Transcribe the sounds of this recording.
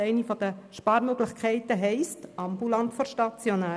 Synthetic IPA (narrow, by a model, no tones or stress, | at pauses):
ɛɪnifɔd̥̪əʃpɑːɾmøɡlɪχkʰɛɪtəɦɛɪstɑmbulɑntfɔɾʃtɑt͡sjonæː